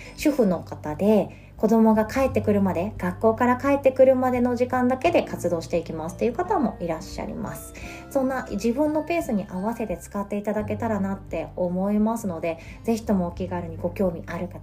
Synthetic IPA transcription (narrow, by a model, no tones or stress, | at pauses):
ɕɨɸɯ̟no̞kat̪ad̪e̞ | ko̞d̪o̞mo̞ɡakae̞t̪ːe̞kɯ̟ɾɯ̟mad̪e̞ɡ̥akːo̞ːkaɾakae̞t̪ːe̞kɯ̟ɾɯ̟mad̪e̞no̞ʑikãnd̪ake̞d̪e̞kat͡sɨd̪o̞ːɕi̥t̪e̞ikʲimasɨ̥t̪ːe̞iɯ̟kat̪amo̞ʔiɾaɕːa̰ɾʲḭma̰sɨ̥ | sõ̞nːaʑibɯ̟̃nːo̞pe̞ːsɨɲ̟iʔaβase̞t̪e̞t͡sɨ̥kat̪ːe̞it̪ad̪ake̞t̪aɾanat̪ːe̞o̞mo̞imasɨno̞d̪e̞ | ze̞çi̥t̪o̞mo̞ːkʲiɡaɾɯ̟ɲ̟iɡo̞kʲo̞ːmʲiʔaɾɯ̟ka